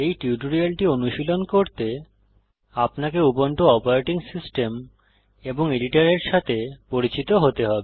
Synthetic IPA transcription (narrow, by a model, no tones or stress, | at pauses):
ejʈiuʈoɾialʈionuʃilonkoɾt̪e | apnakeupoɳʈoɔpoɾeʈiŋsisʈem | eboŋeɖiʈaɾeɾʃat̪ʰepoɾit͡ɕit̪oɦot̪eɦɔbe